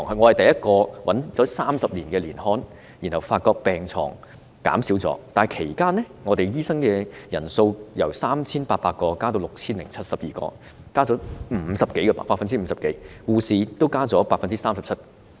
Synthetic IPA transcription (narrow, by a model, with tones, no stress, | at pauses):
ŋɦɐ˨ŋɔ˨˧hɐ˨˩jt̪ɐ˨jɐ˥t̚kɔː˧wɐ˨˥nt͡sɔː˨˥saː˥msɐ˨p̚liː˨˩nkɛː˧liː˨˩nhɔː˥n | ji˨˩nhɐ˨˩wfaː˧t̚kɔː˧k̚pɛː˨ŋt͡sʰɔ̰ː˨˩ŋ | ka̰ː˨˥msiː˨˥wt͡sɔ̰ː˨˥t̪aː˨˩jkʰe˨˩jkaː˥nɛ˥ŋɔː˨˧t̪e˨jjiː˥sɐ˥ŋkɛː˧jɐ̰˨˩nso˧wjɐ˨˩wsaː˥mt͡sʰiː˥npaː˧t̚paː˧t̚kɔː˧kaː˥t̪o˧wlʊ˨k̚t͡sʰiː˥nlɪ̰˨˩ŋt͡sʰɐ˥t̚sɐ˨p̚jiː˨˩kɔ̰ː˧ | kaː˥t͡sɔː˨˥m̩ː˨˩˧sɐ˨p̚ke˨˥jkɛ˧pa̰˨˩paː˧˥fɐ˨˧nt͡siː˥m̩˧sɐ˨pke˨˥jkuː˧siː˨t̪o˥wkaː˥t͡sɔː˨˥paː˧t̚fɐ˨nt͡siː˥saː˥msɐ˨p̚t͡sʰɐ˥t̚